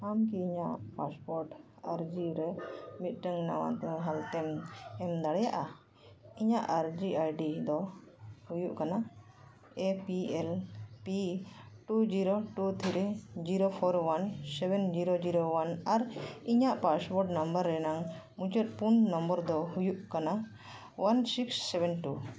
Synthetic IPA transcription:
amkiːɲaʔpaspɔɾʈ | aɾd͡ʒiɾɛmit̪̚ˀʈəŋna̰wa̰t̪ɦalt̪ɛmɛmd̪aɽɛjaʔa | iɲaʔaɾd͡ʒiajɖid̪ɔhujuʔkana | epiɛlpiʈud͡ʒiɾoʈut̪ʰiɾɛd͡ʒiɾopʰɔɾwansɛbɛnd͡ʒiɾod͡ʒiɾowanaɾiɲaʔpasbɔɾɖnambəɾːɛnaŋ | mũt͡ʃət̪̚punːɔmbəɾd̪ɔhujuʔkana | wansiksːɛbɛnʈu

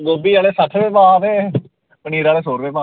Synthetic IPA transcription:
ɡoːbiːaːleːsəʈʰbeːmãːʋeː | pəniːɾaːleːsoːɾbeːmãː

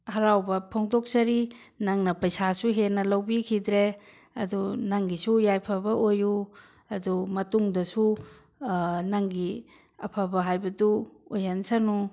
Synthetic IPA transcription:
hɐɾawbɐpʰoŋtok̚sɐɾi | naŋnɐpɐjsasuɦenːɐlɐwbikʰidɾe | ɐdunaŋɡisujajpʰɐbɐʔoju | ɐdumɐtuŋdɐsu | naŋɡi | ɐpʰabɐɦajbɐduojansanu

